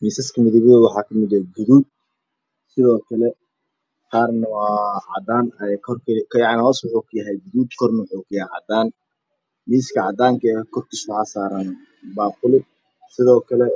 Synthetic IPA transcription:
miːsɐskʰɐmɪðʊβɪðɐwɑħɑːkʰɐmɪðɐɡʊðuːd̪̚ | sɪðɔːkʰɐlɛ | qaːrnɐwɑːʕɑ̰d̪aːnɐkʰɔrkʰkʰjɑʕnɪhɔːswʊħuːkʰɐjɐɦɛjɡʊðuːd̪kʰɔrnɐwʊħʊːkʰɐjaʕɑ̰d̪aːn | miːskʰɐʕɑd̪aːŋkʰɐkʰɔrt̪ʰɪʃkʊhasaːɾɐn | baːqʊlɪ | sɪðɔːkʰɐlɛ

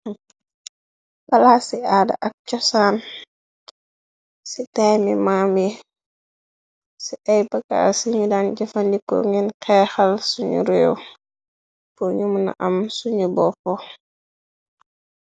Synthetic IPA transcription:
bɐlasiaːda̰ʔɐk̚t͡ʃɔsaːn | sitajmimami | siʔɐjbɐka̰siɲudand͡ʒɐfandiko̰ŋinkɛxɐlsuɲṵɾɛw | poɲumna̰ʔɐmsuɲubɔpɔ

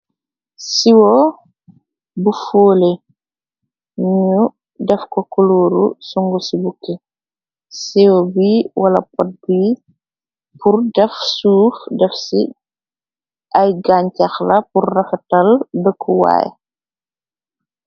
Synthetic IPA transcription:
siwɔ | bufoːle | ɲɲu | dɛfkɔkɔloːɾṵsuŋɡɔsibukːɛ | siwɔbiːwʔalɐ̰pɔt̚biː | purdɛfsuːfdɛfsḭ | ʔajɡaːɲcaxlɐpurːɐfɛtɐldəkʰːuwa̰ːj̰

